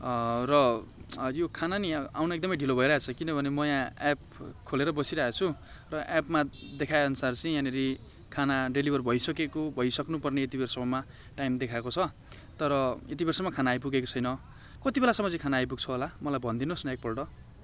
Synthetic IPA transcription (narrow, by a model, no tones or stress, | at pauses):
rʌ | jokʰanania̰wnʌek̚d̪ʌmʌjɖʱilobʱʌeɾʌɦet͡sʰʌkinʌbʱʌnemʌjãep̚ | kʰoleɾʌbʌsiɾʌɦet͡sʰu | rʌʔapmad̪ekʰaeʌnusart͡sʌĩjãneɾi | kʰanaɖelibʱʌrbʱʌjsʌkekobʱʌjsʌknupʌrneet̪ibeɾʌsʌmʱʌma | ʈajmd̪ekʰaekot͡sʰʌ | t̪ʌɾʌet̪ibeɾsʌmakʰanaːjp̬uɡekot͡sʰʌjnʌ | kʌt̪ibelasʌmʌd͡zikʰanaːjp̬uɡ̚t͡sʰʌɦolamʌlajbʱʌnd̪inosnʌek̚pʌlʈʌ